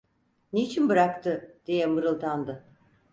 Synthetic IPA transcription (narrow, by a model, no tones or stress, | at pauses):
net͡ʃʰinbɯɾakt̪ʰɯd̪̥ijɛmɯɾɯlˠt̪ʰand̪ɯ